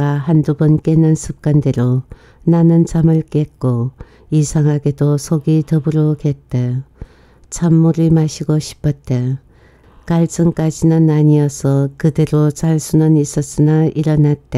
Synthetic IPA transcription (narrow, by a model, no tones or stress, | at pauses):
aɦandubʌnk͈e̞nɯnsʰup̚k͈ande̞ɾo | nanɯnt͡ɕamɯɭk͈e̞k̚k͈o | isʰaŋɦaɡe̞dosʰoɡitʌbɯɾoket̚t͈e | t͡ɕʰamːuɾimaɕʰiɡoɕʰi̥pʰʌt̚t͈e | kaɭt͡ɕ͈ɯŋk͈ad͡ʑinɯnaɲiʌsʰʌkɯde̞ɾot͡ɕaɭsʰunɯnis͈ʌs͈ɯnaʔiɾʌnat̚t͈e